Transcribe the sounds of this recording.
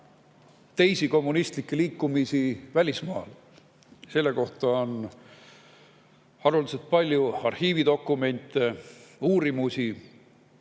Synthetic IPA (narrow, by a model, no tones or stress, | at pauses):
t̪e̞jsiko̞mːunist̪likːeliːkːumisivælʲismɑːl | se̞lːe̞ko̞ht̪ɑon | ɑɾuliselt̪̚pɑlʲjuɑrhiːvid̪o̞kːˑume̞nʲt̪ˑːeuːɾimusʲi